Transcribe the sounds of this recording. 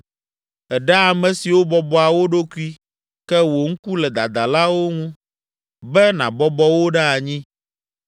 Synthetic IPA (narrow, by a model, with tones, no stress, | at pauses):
ɛ˨ɖɛ˦a˨mɛ̃˨si˨wo˦bɔ˦bɔ˦a˨wo˦ɖo˦ku˦i˦ | kɛ˦wo˨ŋ̩˦ku˦lɛ˨d̪a̰˨d̪a˨la˦wo˦ŋũ˦ | bɛ˦nã̰˨bɔ˦bɔ˦wo˦ɖɛ˦a˨ɲĩ˦